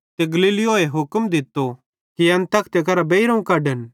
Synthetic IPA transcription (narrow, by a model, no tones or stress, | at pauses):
t̪eɡɐliːlɪoːeɦʊkmd̪ɪt̪ːo | kiɐ̃nt̪ɐkʰt̪ekɐɾabeiɾɐũkɐɖən